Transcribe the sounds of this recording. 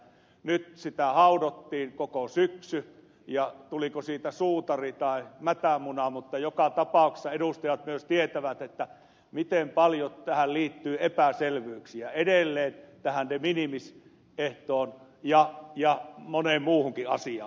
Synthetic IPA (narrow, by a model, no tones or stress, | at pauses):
nyt̪sit̪æhɑˑudot̪ːiːŋkokosyksy | jɑt̪ulikosiːt̪æsuːt̪ɑrit̪ɑˑemæt̪æmunɑmut̪ːɑjokɑt̪ɑpɑˑukse̥sːɑeɾust̪ɑjɑt̪myøst̪iet̪æʋæt̪et̪ːæ | mit̪empɑljot̪æhælliːt̪ːyːepæselʋˑyyksiæedelːeːnt̪æhænneminimis | ʔeht̪oːnjɑjɑmonemmuːhuŋkiʔɑ̰siɑ̰ː